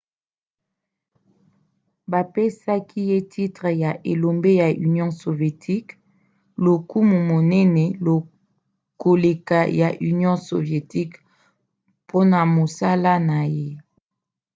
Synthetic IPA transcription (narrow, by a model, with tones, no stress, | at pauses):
ba˨pe˦sa˦kʰi˦je˦tʰi˦tʁɛ˨ja˨ʔe˨lo˨mbe˦ja˨ʔy˨njɔ̃˦so˨ve˨tʰi˦k | lo˨ku˦mu˨mo˨nɛ˦nɛ˨lo˨ | ko˨le˨ka˨ja˨ʔy˨njɔ̃˦so̰˨vje˨ti˦k | pʰo˦na˨mo˨sa˦la˦na˨je˦